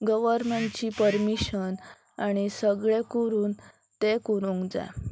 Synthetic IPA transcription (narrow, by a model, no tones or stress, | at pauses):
ɡəʋəɾmeɳʈt͡ɕipəɾmiɕən | aɽ̃isəɡɭekuɾuːn | t̪ekuɾũŋɡd͡za̰